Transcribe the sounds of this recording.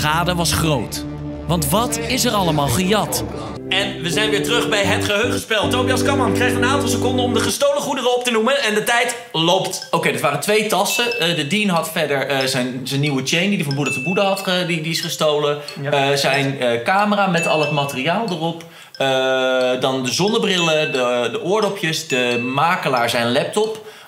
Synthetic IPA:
χaːdəʋɑsχrowt | ʋɑntʋɑtɪsɛɾɑləmaːlˠχəjɑt | ɛnʋəzɛjnʋɪːɹtrɵχbɛjɦətχəɦøɥχəspɛlˠt̚ːowbijɑskɑmɑnkrɛjχtənaːntɑlˠsəkɔndəɔmdəχəstowləχudərəɔp̚tənumənɛndətɛjt | lopt | owkejdɪtʋaːrəntʋejtɑsədədinɦɑtfɛɹdəɹzɛjnzɛnːiwət͡ʃejndidəvɔnbudətəbudəɦɑtdidiɪsχəstowlə | zɛjnəkaːməraːmɛtɑ̰lˠɦətmaːtərijaːlˠdərɔp | dɑndəzɔnəbrɪlədədəʔʊːɹdopjəsdəmaːkəlaːɹzɛjnlɛp̚tɔp

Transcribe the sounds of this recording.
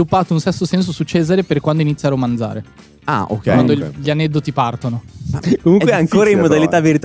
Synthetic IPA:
ilupːaːt̪ounsɛsːosɛns̬osut͡ʃeːzaɾeperkwand̪oinit̪sːjaɾomand̪za̰ːɾe | a̰o̰kːɛwand̪oʎanɛd̪ːot̪ipart̪onokomuŋkweaŋkoːɾaimmod̪alit̪aveɾit̪

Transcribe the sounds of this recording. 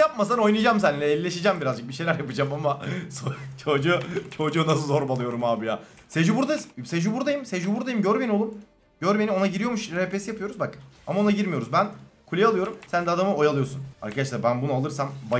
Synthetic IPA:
ap̚masano̞jnɯjd͡ʒamsænlʲɛelːʲeʃid͡ʒæmbiɾazd͡ʒɯk̚biʃe̞jlʲæɾjapɯd͡ʒamamasot͡ʃʰo̞d͡ʒut͡ʃʰod͡ʒuːnas̬ɯzo̞ɾmalˠɯjo̞ɾumaːbijaː | sed͡ʒubuɾd̪ased͡ʒubuɾd̪ajimsed͡ʒubuɾd̪ajimɟøɾbeiolˠum | ɟ̥øɾmenimo̞naɟiɾijo̞ɾmuʃɾepesijapʰɯjo̞ɾuzbaka̰mao̞naɟiɾmijo̞ɾuzbænkʰulʲealˠɯjo̞ɾumsænd̪ɛad̪amɯo̞jalˠɯjo̞ɾsuna̰ɾkʰad̪aʃ̬lˠaɾbænbunɯalˠɯɾsamba

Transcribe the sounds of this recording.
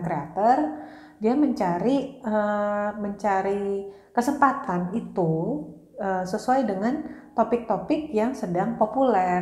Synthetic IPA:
kɾeat̪ɔr | diaməɲt͡ʃaɾiəməɲt͡ʃaɾi | kəsəmpat̪anit̪u | əsəsuajdəŋant̪opɪk̚t̪opɪkjaŋsədaŋpopulɛ

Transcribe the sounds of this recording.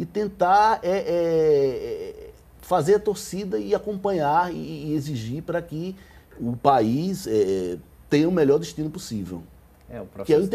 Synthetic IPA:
ɪt̪ẽnt̪aɾɛʔɛɛ | fazeɾɐt̪oɾsid̪ɐiakõmpɐ̃ɲaɾḭːeziʒiɾpɾɐkɪʊpaisɛɛ | t̪ẽɲɐũmeʎɔɾd̪iʃt̪ĩnʊpusivḛw | ɛupɾkɪɛĩt̪

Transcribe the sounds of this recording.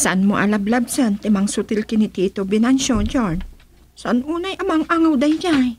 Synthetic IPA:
sɐʔanmoʔalablab̚sɛnt̪ɛmaŋsʊt̪ɪlkɪnɪt̪iːt̪obɪnanʃod͡ʒoɹn | sɐʔanʔuːnajʔɐmaŋʔaŋawd̪ajd͡ʒaj

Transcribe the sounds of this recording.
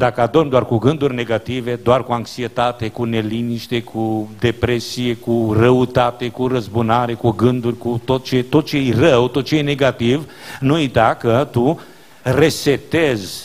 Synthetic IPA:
d̪akəad̪ormd̪oarkuɡɨnd̪urʲne̞ɡat̪ive̞d̪oarkuaŋksiet̪at̪e̞kune̞liniʃt̪e̞kʰud̪e̞pɾe̞sie̞kurəut̪at̪e̞kuɾəzbunaɾe̞kuɡɨnd̪urʲkut̪o̞t̪̚t͡ʃet̪o̞t̪̚t͡ʃeejrəwt̪ot̪̚t͡ʃejne̞ɡat̪iv | nujt̪akət̪u | reset̪ez

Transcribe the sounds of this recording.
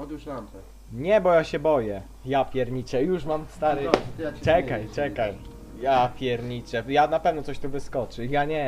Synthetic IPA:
ɲɛbɔjaɕɛbɔjɛ | japʲjɛɾɲit͡ʂɛjuʂmamst̪aɾɨt͡ʂɛkajt͡ʂɛkaj | japʲjɛɾɲit͡ʂɛjanapɛvnɔt̪sɔɕt̪uvɘskɔt͡ʂɘjaɲɛ

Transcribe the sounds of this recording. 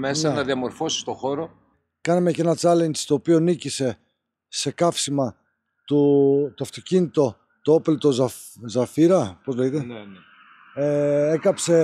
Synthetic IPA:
mesɐnɐðiɐmo̞ɾfo̞si̥st̪o̞xo̞ɾo̞ | kɐnɐme̞cenɐt͡sɐlenst̪o̞ːpionicise̞ | se̞kɐfsimɐ | t̪ut̪oɐft̪ocinit̪o̞ | t̪oopelt̪o̞z | zɐfiɾɐpozleit̪en | eekɐpse̞

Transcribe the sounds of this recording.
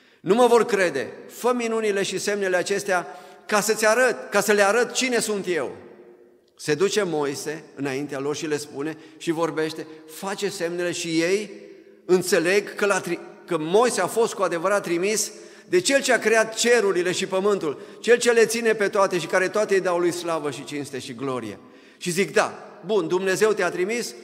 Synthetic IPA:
numəvo̞rkɾe̞d̪e̞̰fəminunile̞ʃise̞mne̞le̞at͡ʃe̞st̪eakasət̪sʲaɾət̪kasəleaɾət̪t͡ʃine̞sunt̪je̞w | se̞d̪ut͡ʃe̞mo̞jse̞ɨnaint̪ealo̞rʃile̞spune̞ʃivo̞rbe̞ʃt̪e̞fat͡ʃe̞se̞mne̞le̞ʃije̞j | ɨnt̪se̞le̞ɡkəlat̪ɾikəmo̞jse̞afo̞st̪̚kuad̪e̞vəɾat̪ːɾimis | d̪e̞t͡ʃe̞lt͡ʃe̞akɾeat̪t͡ʃe̞ɾuɾile̞ʃipəmɨnt̪ult͡ʃe̞lt͡ʃe̞le̞t̪sine̞pe̞t̪oat̪e̞ʃikaɾe̞t̪oat̪ejd̪awlujslavəʃit͡ʃinst̪e̞ʃiɡlo̞ɾḭjḛ | ʃizikd̪a̰bund̪umne̞ze̞wt̪eat̪ɾimis

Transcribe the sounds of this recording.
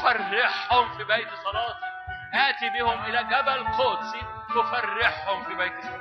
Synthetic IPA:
farːɪħhʊmfiːbajt̪sˤɑlɑːt̪i | ʔaʔt̪ibɪhʊmʔɪlæːɡæbalqoʔt̪si | t̪ʊfarːɪħhʊmfiːbajt̪sˤ

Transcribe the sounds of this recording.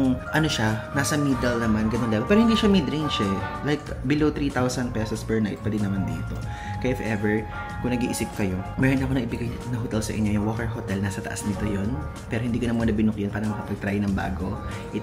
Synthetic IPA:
ŋʔɐno̞ʃanaːsɐmiːd̪ɛlnɐmanɡɐnond̪ɛbɐpɛɾohɪnd̪iːʃamid̪ɾint͡ʃɛlajkbɪlowt̪ɾiːt̪awsɐnd̪̚pɛsospɛɹna̰jt̪̚pɐd̪ɪnːɐmand̪ɪ̰ŋɪ̰t̪o̞̰ | kɐjɪfɛvɛɹ | kʊŋnɐɡḭʔɪsɪp̚kɐjo̞mɛːɾonɐkonɐʔɪbɪɡajnɐɦot̪ɛlsɐ̰ʔɪ̰ɲːo̞jʊŋwokɛɹɦot̪ɛlnaːsɐt̪ɐʔa̰snɪt̪o̞jo̞npɛːɾo̞hɪnd̪iːkɐnɐmunɐbɪnʊk̚jonpaːɾɐŋmɐkɐpɐɡ̚t̪ɾajnɐŋba̰ːɡo̞ | ʔɪ

